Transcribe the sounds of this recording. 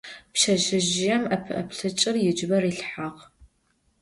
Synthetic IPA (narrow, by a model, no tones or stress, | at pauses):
pʃɐʒɪʒɪjɛmɐpʰɐ̰pɬɨt͡ʃʼɪrjɪd͡ʒbɐriːɬħaq